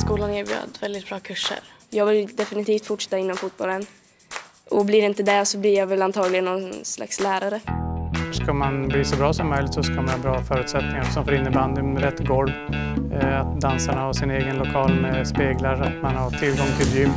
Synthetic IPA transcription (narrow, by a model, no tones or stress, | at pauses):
skuːlanɪːɾbjʉ̰ːd̪vɛld̪ɪt̪̚b̥ɾɑːkʰɵʂːə̰ɾ | jɑːɡvɪld̪ɛfɪnɪt̪ʰiːft̪fʊʈʂɛ̥t̪ːaɪnːɔmfut̪̚bɔlːən | ʔɔblɪɾɛɪnt̪əd̪ɛsɔblɪɾjavɛlant̪ʰɑːɡlɪɡənːɔnsla̰kslæːɾaɾə | ʂkamanbliːsɔbɾɑːsɔmːœjlɪt̪sɔskamanhɑːbɾɑːfœːɾʉ̟ːt̪sɛt̪̚nɪŋaɾɛfsɔmfɔɾɪnːəband̪nɾɛt̪ːɡɔlv | at̪̚d̪ansaɳahaʂɪneːɡənlʊkʰɑːlmɛspeːɡlaɾat̪manhat̪ʰɪlɡɔŋt̪ʰɪljʏm